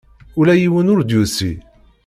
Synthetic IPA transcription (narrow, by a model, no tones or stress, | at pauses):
ʊlæjiwənʊɾd̪jusḭ